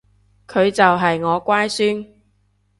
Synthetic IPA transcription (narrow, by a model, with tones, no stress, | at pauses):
kʰɵ˨˧ɥt͡sɐ˨wɦɐ˨jŋɔː˨˧kʷaː˥jsyː˥n